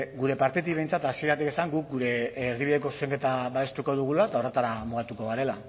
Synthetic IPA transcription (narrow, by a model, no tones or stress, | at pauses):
ɡuɾe̞paɾt̪et̪̬iβe̞jnt͡sat̪asie̞ɾat̪ikesaŋɡuk̚ɡuɾe̞riβ̞iðe̞ko̞su̥se̞ŋke̞t̪aβaβe̞st̪uko̞ðuɣ̞ulaet̪aoret̪aɾamuɣat̪uko̞ɣaɾe̞la